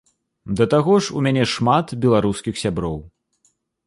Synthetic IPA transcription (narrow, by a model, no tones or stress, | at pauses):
d̪ɐt̪aɣɔʂṵmʲanʲɛʂmat̪bʲɛlˠaɾuskʲixsʲabɾɔw